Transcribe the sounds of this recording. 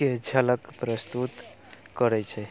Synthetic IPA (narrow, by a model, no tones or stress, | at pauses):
ed͡ʒʱələkpɾəst̪ut̪ | kəɾɛt͡ʃʰɛ